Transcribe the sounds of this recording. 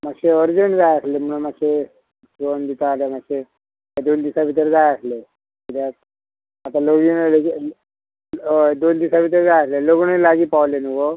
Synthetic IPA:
maɡɕeəɾd͡zənd͡zajəslem̤uɳmaɡɕe | t͡sond̪it̪aaljamaɕe | ad̪ond̪isaʋit̪əɾd͡zajəsle | id̪a | at̪aloɡinel | d̪ond̪isaʋit̪əɾd͡zajəsleloɡunelaɡiːpaʋlenuko

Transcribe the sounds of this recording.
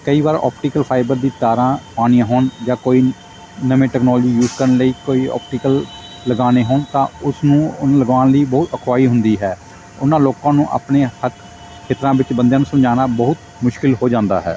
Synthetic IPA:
kəiːʋaːɾɔ̰ːpʈiːkəlpʰaːɪbəɾd̪iːt̪aːɾãːpaːɽ̃ĩjãːɦoːɳd͡ʒãːkoːiː | nəʋẽːʈɛːknɔːld͡ʒiːjuːzkəɾənləiːkoːiːɔ̰ːp̚ʈiːkəl | ləɡaːneːɦoːnt̪ãːʊsnũːʊnləɡaːnləiːbəːʊt̪əkʰwaːiːɦʊnd̪iːɦɛː | ʊnãːloːkãːnũːʔa̰ːpneːhək | kʰeːt̪ɾãːbɪt͡ʃbənd̪jãːnũːsəmd͡ʒaːnaːbəɦʊt̪ | mʊʃkɪlɦoːd͡ʒãːnd̪a̰ːɦɛ̰ː

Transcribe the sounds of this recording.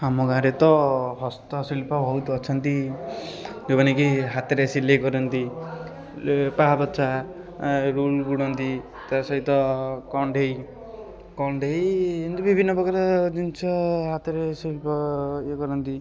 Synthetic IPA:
amɔɡãɾet̪ɔɦɔst̪ɔsilpɔbʱɔwt̪uɔt͡ʃʰɔnt̪i | d͡ʒobanekiɦat̪eɾesileɡɔɾɔnt̪i | paɦabɔt͡ʃʰa | ɾulɡuɽɔnt̪i | t̪asɔɦit̪ɔkɔɳɖʱej | kɔɳɖʱejnt̪ibʱibʱinːɔbɔɡaɾɔd͡ʒint͡ʃʰɔɦat̪eɾesilpɔeɡɔɾɔnt̪i

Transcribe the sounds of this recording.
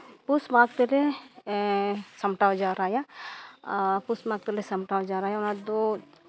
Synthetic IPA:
pusmãːk̚t̪ele | sɐmʈawd͡ʒaːɾaːja | pusmãk̚t̪elesɐmʈaːd͡ʒaːɾaːjaʊnãd̪o

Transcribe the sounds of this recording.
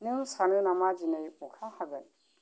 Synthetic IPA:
nimsanunamad͡ʒinajukʰahaɡan

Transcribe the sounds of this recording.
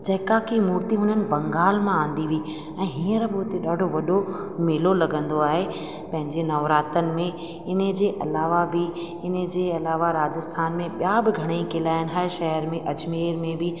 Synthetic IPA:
d͡ʑɐɦɪkakimuːɾt̪iɦʊn̤ənɪ̆bɐ̃ŋɡaːlmããːn̆d̪iʋii | ɛ̃ːɦiːə̃ɾbʊːʊt̪eɗaːɖʱoʋɐɗo | meːlolɐɡə̃nd̪oaːɦe | pɐ̃ɦɪ̃ɲd͡ʑenɐʋɾaːt̪ənɪ̆mẽ | ɪnə̆d͡ʑeːʔɐlaːʋabɪ | ɪnə̆d͡ʑeːɐlaːʋaɾaːd͡ʑəst̪ʰaːnmẽɓjabɪɡʱɐɽ̃əikɪlaːɪnɪ̆ɦɐɾʃɐɦəɾmẽʔɐd͡ʑmeːɾmẽbɪ

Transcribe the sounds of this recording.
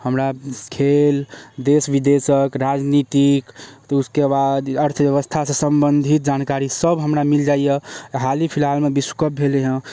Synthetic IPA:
həmɾakʰeld̪esbid̪esəkɾad͡ʒnit̪ikt̪uskebad̪əɾt̪ʰbjəβəst̪ʰasə̃səmbənd̪ʱit̪̚d͡ʒankaɾisəbɦəmɾamild͡ʒaijeɦalipʰilalmebisu̥kəp̚eleɦə̃

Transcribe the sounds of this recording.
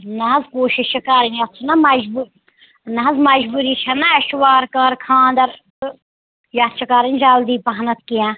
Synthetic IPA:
nɐɦɐzkoːʃiʃɐkaːɾinʲɐt͡sʰɐnɐmɐd͡ʒbu | nɐɦɐzmɐd͡ʒbuːɾiːt͡ʃʰɐnɐɐʃwaːɾkaːɾkʰãːnd̪ɐɾ | jaːt̪t͡ʃʰɐkaːɾinʲd͡ʒaːld̪iːpɐɦnɐt̪̚kijãː

